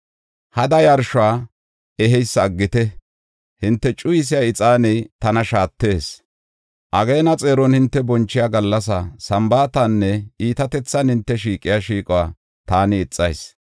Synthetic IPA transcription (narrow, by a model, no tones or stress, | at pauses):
hɐd̪ɐjɐɾʃʊaː | ɛɦɛjsːɐːɡːɪt̪ɛ | hɪnt̪ːɛt͡ʃʼʊjɪs̬ɪjaɪt͡sʼaːnɛjt̪ɐnɐʃaːt̪ːe̞ːs | ʔɐɡejːnɐt͡sʼeːɾɔnhɪnt̪ːɛbɔnt͡ʃːɪjaːɡɐlːɐs̬ɐsɐmbaːt̪ɐnːɛiːt̪ɐt̪ɛt͡sːɐnhɪnt̪ːɛʃ̬iːkʼːɪjaʃiːkʼwaː | t̪aːnɪːt͡sʼːɐjs